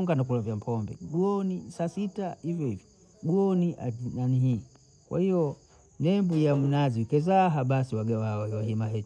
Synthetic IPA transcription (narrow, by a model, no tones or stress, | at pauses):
ŋɡanakulavjam̩pʰɔmbɛ̰ɡuɔnisasitaivjɔivjɔ | ɡuɔniʔainaniɦi | kwa̰hijɔ | nɛmbujam̩naziikɛzaɦaɓasiwaɡawawwaɦimaɦɛ